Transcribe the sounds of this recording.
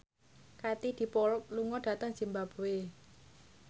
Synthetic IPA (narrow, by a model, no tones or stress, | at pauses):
kat̪id̪̥i̤pɔluŋɔɖ̥ä̤t̪əŋd͡ʒ̥imbab̥o̤we